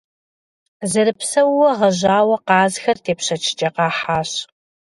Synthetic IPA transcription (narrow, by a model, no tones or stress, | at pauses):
zɨɾɨpsɐwwɐʁɐʑaːwɐqɑːzxɐrtʰeːpɕɐt͡ʃʰɪ̥t͡ʃʼɐqɑːħaːɕ